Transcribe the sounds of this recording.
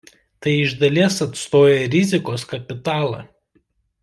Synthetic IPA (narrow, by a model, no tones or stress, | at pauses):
t̪ɐɪɪʒd̪ɐlʲiɛsɐt̪st̪oːjɛɾʲɪzʲɪkoːskɐpʲɪt̪ɑːlˠɑ̰